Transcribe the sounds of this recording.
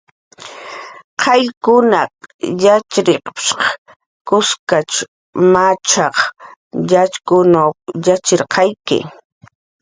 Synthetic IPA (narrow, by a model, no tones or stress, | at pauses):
qʰɑʎkʊnɑjat͡ʃɾeqʃq | kʊskat͡ʃ | mat͡ʃɑχjat͡ʃkʊnawjat͡ʃeɾqʰɑjkɪ̰